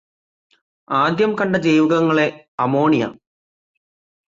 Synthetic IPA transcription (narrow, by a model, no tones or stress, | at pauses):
aːd̪ʱjɐmkɐɳɖɐd͡ʑejʋiɣɐŋːɐɭe̞ | ɐmo̞ːɳija̰